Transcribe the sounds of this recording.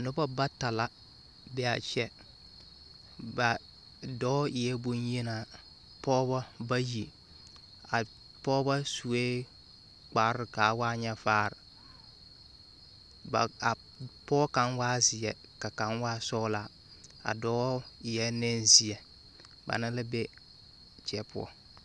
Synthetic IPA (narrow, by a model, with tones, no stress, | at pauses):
a˨nʊ˦ba˦ba˦ta˨la˦ | bɛ˦a˨t͡ʃɛ˦ | ba˨ | dɔː˦ɪ˨jɛ˦bo˦nje˦naː˨ | pɔː˦ba˦ba˦ji˨ | a˨ | pɔː˦ba˦su˨e˦ | k͡pa˨˦ɾɨ˨kaː˨˦waː˦ɲɛ˦faː˦˨ɾɪ˨ | ba˨a˨ | pɔ˦ka˨˦nwaː˦zɪ˨jɛ˨ | ka˨ka˨˦nwaː˦sɔ˦la˨˦ | a̰˨dɔː˦ɪ˨jɛ˦nɛ˦n˦zɪ˨ɛ˨ | ba̰˨nɨ˦lɨ˦bɛ˦ | t͡ʃɛ˨pʊ̰˦ɔ̰˦